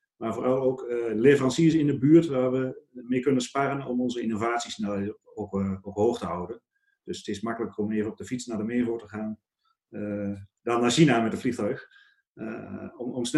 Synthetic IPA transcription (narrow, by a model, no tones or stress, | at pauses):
maːɹvoːrɑlˠoːklevərɑnsiəsɪndəbyːəɹtʋaːɹʋəmejkønənsparənɔmɔnzəinovaːtsisnɛlookɦoːxtəɦɔwdən | d̥øsətɪsmakələkərɔmeːvənɔp̚dəfit͡snaːdəmɪːvoːtəχaːn | dɑnaːʃinamɛtətflixtœɥx | ɔmɔmsn